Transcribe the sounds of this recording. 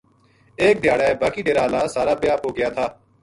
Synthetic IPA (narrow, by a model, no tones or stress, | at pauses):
eːk̚d̪ʱjaːɽaːeːbaːkiːɖeːɾaːɦlaːsaːɾaːbɪjaːpɦoːɡɪjaːt̪ʰaː